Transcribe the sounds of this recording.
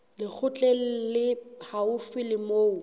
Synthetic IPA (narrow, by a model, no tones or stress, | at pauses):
lɪk͡xʰʊt͡ɬʼɛl̩lɪhaʊfɪlɪmoːʊ